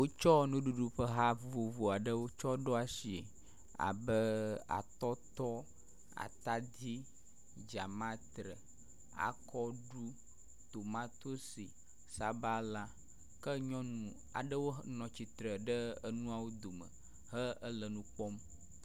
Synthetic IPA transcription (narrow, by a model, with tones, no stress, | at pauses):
wo˦t͡ʃɔ˦nũ˦ɖu˨ɖu˦ɸə˦ɦa˦vu˨vo˨vo˨a˨ɖə˦wo˦t͡ʃɔ˦ɖɔ˦a˨si˨ḛ˨ | a̰˨bə˦a̰˨t̪ɔ˦t̪ɔ˦ | a̰˨t̪a˦d̪i˦ | d͡ʒa˨mã˦t̪ɾə˨ | a̰˨kʰɔ˦ɖu˦ | t̪o˨mã˦t̪o˦si˨ | sa˨ba˦la˦ | kə˦ɲɔ̃˦nũ˨ | a̰˨ɖə˦wo˦nɔ̃˨t͡ɕi˨t̪ɾə˨ɖə˦ə˦nũ˦a˨wo˦d̪o˨mə̰˨ | ɦə˦ə˦lə˨nũ˦k͡pɔ˦m